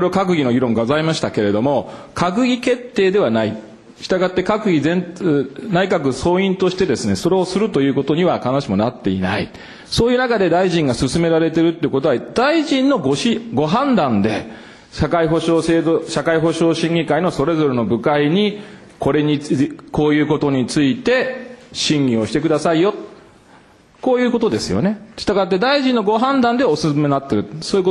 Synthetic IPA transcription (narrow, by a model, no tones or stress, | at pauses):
oɾeokak̬ɯ̟ɡʲino̞ɡʲiɾõ̞ŋɡazaimaɕi̥t̪ake̞ɾe̞d̪o̞mo̞kak̬ɯ̟ɡʲike̞t̪ːe̞ːd̪e̞βanai | ɕi̥t̪aɡat̪ːe̞kakɯ̟ɡʲizẽ̞nnaikakɯ̟so̞ːĩnt̪o̞ɕi̥t̪e̞d̪e̞sɨne̞so̞ɾe̞o̞sɨɾɯ̟t̪o̞jɯ̟ːko̞t̪o̞ɲ̟iβakanoɕimo̞nat̪ːe̞ḭnai | so̞ːjɯ̟ːnakad̪e̞d̪aiʑĩŋɡasɨsɨme̞ɾaɾe̞t̪e̞ɾɯ̟t̪ːeiɯ̟ko̞t̪oad̪aiʑĩnːo̞ɡoɕiɡo̞ɦãnd̪ãnd̪e̞ | ɕakaiɦoɕoːseːoɕakaiɦo̞ɕo̞ːɕĩŋɡʲikaino̞so̞ɾe̞zo̞ɾe̞no̞bɯ̟kaiɲ̟i | ko̞ɾe̞ɲiko̞ːjɯ̟ːko̞t̪o̞ɲ̟it͡sɨit̪e̞ɕĩŋɡʲĩo̞ɕi̥t̪e̞kɯd̪asaijo̞t̪ | ko̞ːjɯ̟ːko̞t̪o̞d̪e̞sɨjo̞̰ne̞t͡ɕi̥t̪aɡat̪ːe̞d̪aiʑĩnːo̞ɡo̞ɦãnd̪ãnd̪e̞osɨsɨme̞nat̪ːeɾɯ̟soːiɯko